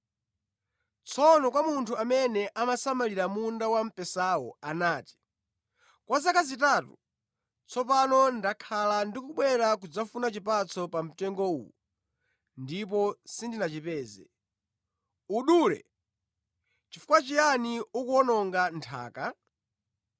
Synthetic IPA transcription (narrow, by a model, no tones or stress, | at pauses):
t͡sʰɔnɔkwamuntʰuamɛnɛʔamasamaliɾamundawam̩pɛsawɔanaːti̥ | kwazakazitaːtu | t͡sʰɔp̬anɔndakʰalandikuɓwɛɾak̬ud͡zafunat͡ʃipat͡sʰɔpam̩tɛŋɡɔṵːu | ndip̬ɔsindinat͡ʃipɛːzɛ | uɗuɾɛ̰ | t͡ʃifu̥kwat͡ʃijaniukuɔnɔŋɡantʰa̰ːka